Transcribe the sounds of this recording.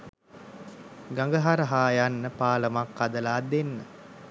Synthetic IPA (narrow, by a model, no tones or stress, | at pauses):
ɡaŋɡəɦaɾəɦaːjanːəpaːləmakːad̪əlaːd̪enːə